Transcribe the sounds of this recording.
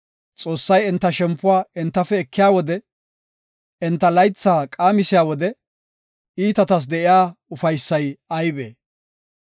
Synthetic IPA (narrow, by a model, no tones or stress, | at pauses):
t͡sʼo̞ːsːɐjɪnt̪ːɐʃɛmpːʊwaːɪnt̪ːɐfɛːkʰːɪjaːwɔd̪ɛ | ɛnt̪ːɐlɐjt͡sːaːkʼaːmɪsɪjaːwɔd̪ɛ | iːt̪ɐt̪ɐs̬d̪ɛʔɪjaːʊfɐjsːɐjɐjbḛː